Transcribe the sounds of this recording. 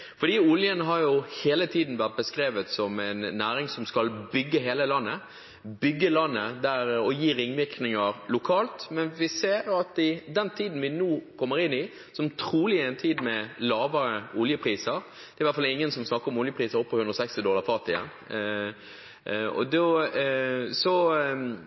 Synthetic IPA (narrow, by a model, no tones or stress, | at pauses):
fɔd̪iːʊljənɦɑɾjʊheːlət̪ʰiːd̪n̩ʋæʁt̪̚bəskɾeːʋət̪sɔmɛɪnːæːɾɪŋsɔmskɑlbʏɡːəɦeːləlɑnːə | bʏɡːəlɑnːəd̪æɾɔjiːɾɪŋʋɪknɪŋəɾlʊkʰɑːlt̪mɛnʋɪseːɾɑt̪ɪd̪ɛnt̪ʰiːd̪n̩ʋɪnoːkʰɔmːəɾɪnːɪ | sɔmt̪ʰɾuːlɪɛɪnt̪ʰiːd̪mɛlɑːʋəɾəʊljəpʰɾiːsəɾ | d̪̥ɛɾʋæt̪fɑlɪŋːənsɔmsnɑkːəɾɔmʊljəpʰɾiːsəɾɔpːɔhʉnd̪ɾɔsɛkst̪ɪd̪ɔləʁfɑt̪ɪjɛ̰n | ɔ̰d̪ɔ | sɔ